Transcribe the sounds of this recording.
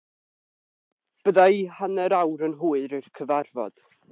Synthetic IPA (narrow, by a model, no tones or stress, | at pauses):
b̥əðaihanɛɾawɾənɦuːɨɾɨrkʰəvarvɔ̰d̥